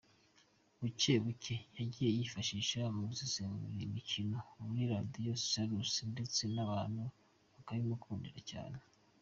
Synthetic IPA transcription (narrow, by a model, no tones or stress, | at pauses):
βuceβucʰejaɟiːje̞jifaʃiːʃamuβzizemuiɾimicino̞umɾiɾadijo̞saɾusinde̞t͡se̞naβaːn̥hu | βakaβimukʰuːndiɾaca̰ːne